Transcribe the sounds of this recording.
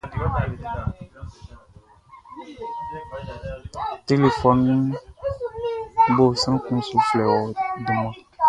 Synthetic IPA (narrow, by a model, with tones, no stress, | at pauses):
te˦le˨fɔ˨nːĩ˦ | bo˦˨sə̃˦n˦kũ˦su˨flɛ˨wɔ˨di˨mã˨